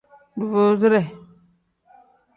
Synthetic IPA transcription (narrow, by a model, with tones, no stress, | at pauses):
du˨vo˦zi˦ɾe˨